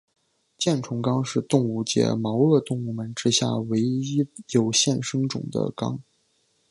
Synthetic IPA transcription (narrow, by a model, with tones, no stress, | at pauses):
t͡ɕjɛ˥˩nʈ͡ʂʰʊ˧˥ŋkɑ˥ŋʂɻ̩˥˧t̪ʊ˥˧ŋu˥˩t͡ɕjɛ̰˥mɑ˧˥ʊɤ˥˧t̪ʊ˥˧ŋu˥˩mə˨˩nʈ͡ʂɻ̩˥ɕja̰˥˩we˧˥ɪi˥jo˨˩ʊɕjɛ˥˩nʂɤ˥ŋʈ͡ʂʊ̰˨˩ŋd̪ə̰˦kɑ̰˥ŋ